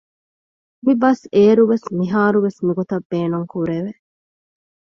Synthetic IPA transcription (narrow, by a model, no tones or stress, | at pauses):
mibɐseːɾuʋesmiɦaːɾuʋesnuɡot̪ɐbːeːnuŋkuɾeʋe